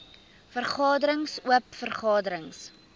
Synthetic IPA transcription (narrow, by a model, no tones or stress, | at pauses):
fərχɑːdəɾəŋsuəpfərχɑːdəɾəŋs